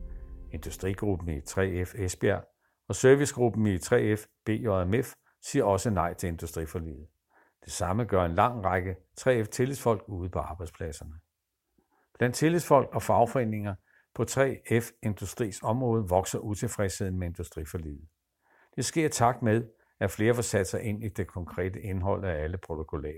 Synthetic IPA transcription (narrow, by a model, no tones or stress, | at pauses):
e̝nd̥usd̥ʁiɡ̥ʁub̥n̩it͡sʰʁɛ̰efesb̥e̝æɐ | ɒ̽søɐʋisɡ̥ʁub̥n̩it͡sʰʁɛ̰ːefb̥e̝̰ːomef | siːɐɒ̽sənɑ̈ɪ̰t͡sʰe̝le̝nd̥usd̥ʁḭfɒ̽lḭːð̩ˠ | d̥e̝sɑ̈məɡ̥ɶɐ̰e̝nlɑ̈ŋ̰ʁɑ̈ɡ̥ət͡sʰʁɛ̰ːeft͡sʰe̝lifɒ̽l̰ɡ̥uːð̞̩ˠpʰɒ̽ɑ̈ːb̥ɑ̈ɪdspʰlɛsɐnə | b̥læn̰d̥̚t͡sʰe̝liðˠfɒ̽l̰ɡ̥ɒ̽fɑ̈ʊfɒ̽e̝ne̝ŋɐ | pʰɒ̽t͡sʰʁɛ̰ːefe̝nd̥usd̥ʁḭːsɒ̽mʁɔ̽ːð̞ˠəʋɒ̽ɡ̥sɐʔut͡sʰe̝fʁɛseð̰ˠn̩mee̝nd̥usd̥ʁifɒlḭːð̩ˠ | d̥e̝sɡ̥e̝ɐ̰t͡sʰɑ̈ɡ̥̚d̥með̞ˠ | æɐfle̝ːɐfɒ̽sæd̥ə̥sɑ̈ɪʔe̝n̰id̥e̝kʰɒ̽ŋkʰʁɛ̰ːd̥əe̝nɦɒ̽l̰ææləpʰʁo̝t͡sʰo̝kʰo̝lɛ̰ː